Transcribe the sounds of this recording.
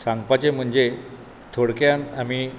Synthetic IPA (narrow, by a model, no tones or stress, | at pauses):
saŋɡpat͡ɕem̤əɳd͡ʑe | t̪ʰoɽkjãnami